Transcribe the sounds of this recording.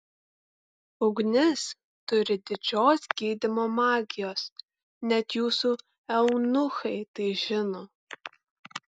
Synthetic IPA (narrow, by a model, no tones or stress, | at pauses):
ʊɡʷnɪs | tʊɾɪdɪt͡ʃoːsɡ̥ʲiːdɪmomaːɡʲɪjoːs | nʲɛtʰjuːsuː | ɛwnʊxɐjteːʒɪnoː